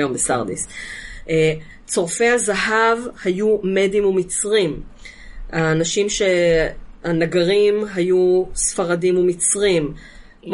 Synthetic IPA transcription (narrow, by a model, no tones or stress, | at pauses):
jo̞mbesaʁd̪ḭsʔe | t͡so̞ʁfe̞hazaɦavhajumedimumit͡sʁim | aːnaʃimʃe̞ | anaɡaʁimɦajusfaʁadimumit͡sʁim | m